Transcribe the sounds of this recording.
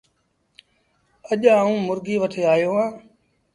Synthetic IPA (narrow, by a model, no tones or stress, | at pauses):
əʄaːũːmʊɾɡiːʋəʈʰeːaːjoːɦãː